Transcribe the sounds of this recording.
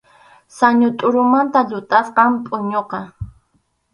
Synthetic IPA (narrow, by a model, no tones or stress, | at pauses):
saɲʊt̪ʼʊɾʊmant̪aʎʊt̪ʼasqɑmpʼʊɲoqɑ